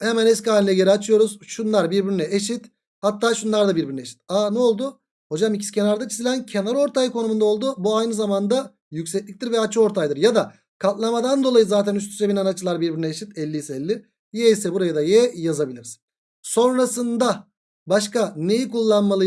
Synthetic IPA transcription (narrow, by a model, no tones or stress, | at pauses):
hemɛnɛscaːlʲinɛɟe̞ɾiat͡ʃʰɯjo̞ɾuz̥ʃunlˠaɾbiɾbiɾinɛeʃit̪ | hat̪ːaːʃunlˠaɾd̪abiɾbiɾynɛeʃi̥t̪̚anɛo̞lˠd̪u | ho̞d͡ʒamicʰi̥scʰe̞naɾd̪at͡ʃʰizilʲæncʰe̞naɾo̞ɾt̪ʰajɯkʰo̞numund̪ao̞lˠd̪ubuajnɯzamand̪a | jycʲsɛc̚lʲic̚t̪iɾvɛat͡ʃʰɯo̞ɾt̪ʰajd̪ɯɾjad̪a | kʰat̪lˠamad̪and̪olˠajɯzaːt̪ʰænyst̪ʰy̥t͡ʃɛbinanat͡ʃʰɯlˠaɾbiɾbiɾinɛeʃit̪ɛlʲːijisɛɛlʲːɪ | jɛisɛbuɾajad̪ajɛjazabilʲiɾzn | so̞nɾasɯnd̪a | baʃkane̞jikulˠːanmalˠɯ